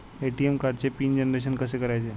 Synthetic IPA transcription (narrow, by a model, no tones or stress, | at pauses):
eʈiemkaɾɖ̚t͡sepiːnd͡ʑenɾeɕ̬ənkəsekəɾajt͡ɕe